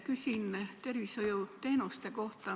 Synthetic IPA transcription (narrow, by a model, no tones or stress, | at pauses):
kysʲint̪e̞rvisojut̪e̞ːnust̪e̞ko̞ht̪ɑ